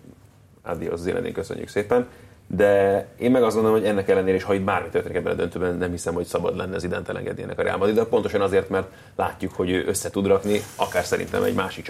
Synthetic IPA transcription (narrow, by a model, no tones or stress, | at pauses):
a̰d̪io̰szilʔɛ̰nḛːŋkøsø̰ɲːy̰kseːpɛnd̪ɛeːmmɛɡɒzɡo̞nd̪lmhoɟɛnːɛkɛlːɛneːɾɛeːʃhɒid̪̚baːrmit̪øreniɛbːɛnɒd̪ø̞nt̪øːbɛnnːɛmhisɛmho̞csɒbɒd̪lɛnːɛːzid̪ɛ̰nt̪ɛlɛ̰ŋɡɛ̰d̪niɛnːɛkɒɾɛ̰a̰lmɒd̪id̪ɛpo̞nt̪o̞ʃɒnɒzeːrt̪mɛrt̪ | la̰ːcːukho̞ɟøːʔø̞sːɛt̪ud̪rɒkniɒkaːrsɛɾḭnt̪ɛ̰mɛ̰ɟmaːʃik